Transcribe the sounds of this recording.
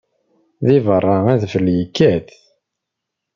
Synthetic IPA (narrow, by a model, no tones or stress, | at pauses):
ðivərˤːɑæðfəljikːæθ